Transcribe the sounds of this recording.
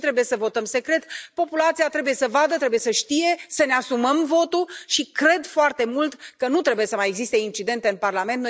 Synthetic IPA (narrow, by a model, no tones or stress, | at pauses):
t̪ɾe̞buje̞səvo̞t̪əmse̞kɾe̞t̪po̞pulat̪sijat̪ɾe̞buje̞səvad̪ət̪ɾe̞buje̞səʃt̪ije̞səneasuməmvo̞t̪uʃikɾe̞d̪foart̪e̞mult̪kənut̪ɾe̞buje̞səmaje̞ɡzist̪e̞int͡ʃid̪e̞nt̪e̞ɨnparlament̪no